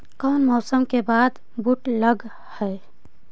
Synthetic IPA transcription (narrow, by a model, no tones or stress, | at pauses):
kaʊnmɔːsəmkebaːd̪ | buʈləɡ | hɛ